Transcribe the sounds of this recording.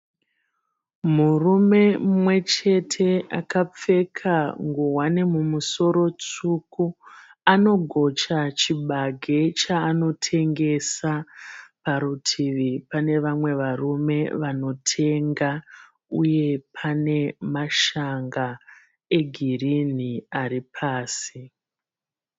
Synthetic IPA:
murume̞mwe̞t͡ʃe̞tʰe̞a̰kap͡fe̞kʰaŋɡuɦwanemumuso̞ɾo̞t͡sukuano̞ɡʱo̞t͡ʃat͡ʃiɓaɡʱe̞t͡ʃaːno̞tʰe̞ŋɡe̞sapaɾutʰiʋipane̞ʋamwe̞ʋarume̞ʋano̞tʰe̞ŋɡa | uje̞pʰane̞maʃaŋɡa | eɡʱirin̤iaripʰaːsi

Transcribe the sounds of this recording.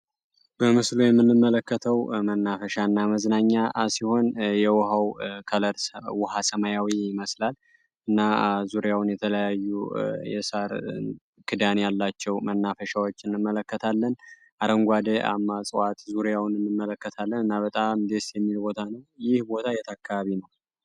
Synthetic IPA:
bəmɨslujɛmːɨnːɨmːələkːət̪ʰəwmənːafəʃaɨnːaməznaɲːasiho̞njɛwʊɦawkʰələɾswʊhasəmajawiɪməslal | ɨnːazuɾjawʊnjɛt̪ʰələjajːujɛsaɾ | kʰɨd̪anjalːat͡ʃːɛwmənːafəʃawot͡ʃːɨnːɨmːələkːət̪ʰalːən | ʔaɾəŋɡʷad̪eʔa̰mːasʼwat̪ʼzuɾjawnɨnːɨmːələkːət̪ʰalːənɨnːaβət̪ʼamd̪e̞sjɛmːilbo̞t̪ʰanəwjɪhbo̞t̪ʰajɛt̪ʰakːaβaβinəw

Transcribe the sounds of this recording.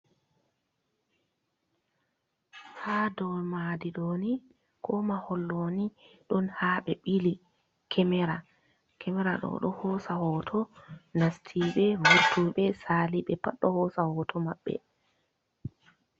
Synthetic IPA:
hadɔwmadiɗoːni | kɔmahɔlːoniɗɔnhaɓɛɓili | kʰɛmɛɾa | kʰɛmɛɾaɗɔ̰ɗɔ̰hɔsahɔtʰɔnastʰiɓɛvuɾtʰuɓɛsaːliɓɛpaɗɔhɔsahɔtʰɔmaɓːɛ̰

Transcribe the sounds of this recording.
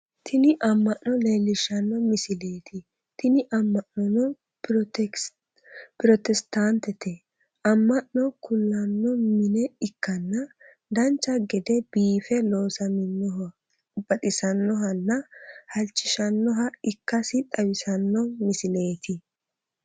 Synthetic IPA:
t̪ʰɪnɪʔɐmːɐʔnɔleːlːɪʃɐnːɔmɪsɪle̞ːt̪ʰɪ | t̪ɪnɪʔɐmːɐʔnɔnɔ | pɾɔt̪ɛst̪ant̪ɛt̪ɛ | ɐmːɐʔnɔkʊlːɐnːɔmɪnɛɪkːɐnːɐ | d̪ɐnt͡ʃːɐɡɛd̪ɛb̥iːfɛlo̞ːsɐmɪnːɔ | bɐt̪ʼɪsɐnːɔɦɐnːɐhɐlt͡ʃːɪʃɐnːɔɦɐɪkːɐsɪt̪ʼɐwɪsɐnːɔmɪsɪle̞ːt̪ʰɪ

